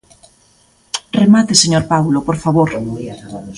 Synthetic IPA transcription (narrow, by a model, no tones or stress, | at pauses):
remat̪eseɲoɾpawlopoɾfaβoɾ